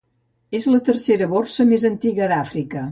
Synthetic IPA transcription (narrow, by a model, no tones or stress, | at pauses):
ezlət̪ərseɾəβorsəmezənt̪iɣəðafɾikə